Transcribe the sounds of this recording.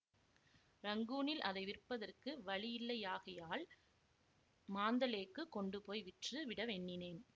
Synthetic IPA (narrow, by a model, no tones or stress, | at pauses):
ɾɐŋɡuːnɪlʔɐðɐɪʋɪrpːɐðɐrkɯʋɐɭɪjɪlːɐjaːɣɐjaːl | maːnd̪ɐleːkːɯkːɔɳɖɯpoːjʋɪʈrɯʋɪɽɐʋɛɳːɪneːn